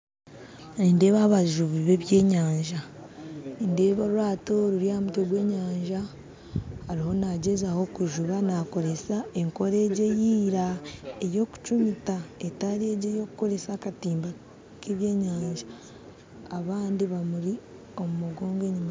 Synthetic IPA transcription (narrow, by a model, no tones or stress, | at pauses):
ninde̞ːβaːβaʒuβiβe̞βje̞ːɲaːɲʒa | ninde̞ːβaɾuwaːto̞ɾuɾiaːmutoɡwe̞ːɲaːɲʒa | haɾiho̞naɟe̞zaho̞kuʒuβanako̞ɾe̞sae̞ŋko̞ɾe̞ɟe̞jiːɾaejo̞ku̥t͡ʃumitaetaɾeɟejo̞kuko̞ɾe̞saːkatiːmba | kiβje̞ːɲaːɲʒaː | βaːndiβamuɾi | o̞mumuɡo̞ːŋɡe̞ɲima